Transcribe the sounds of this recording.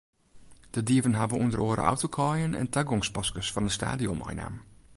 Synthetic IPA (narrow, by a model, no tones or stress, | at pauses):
d̥ədiəvənɦabəundəroːɾə̰ʔɔ̰wtokʰɔːjənɛ̰ntaɡɔŋspɑskəsfɔndəsta̰ːdiɔmɔ̰jna̰ːm